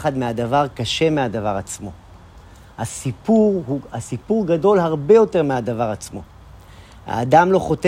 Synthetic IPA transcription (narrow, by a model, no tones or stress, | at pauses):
χadmeadavaʁkaʃe̞mead̪avaʁat͡smo̞̰ | hasipuʁhuasipuʁɡado̞lhaʁbe̞jo̞te̞ʁmead̪avaʁat͡smo̞ | ha̰ːdamlo̞χo̞te